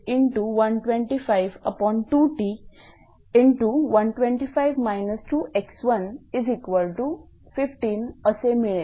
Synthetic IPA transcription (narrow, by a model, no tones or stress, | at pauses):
ɪ̃ɳʈuʋɐ̃nʈʋẽɳʈifaɪʋəpɔ̃ːnʈuːʈiː | ɪ̃ɳʈuʋɐnʈʋẽɳʈifaɪʋmaɪnəsʈuːʔeksʋə̃nizikʋəlʈu | fɪfʈĩːnəsemini